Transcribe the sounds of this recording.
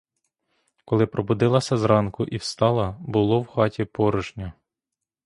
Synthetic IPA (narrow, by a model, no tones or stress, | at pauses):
kɔlˠɪpɾɔbʊd̪ɪlˠɐsʲɐzɾɑnkʊʔiwst̪ɑlˠɐbʊlˠɔwxɑtʲipɔɾʊʒnʲɐ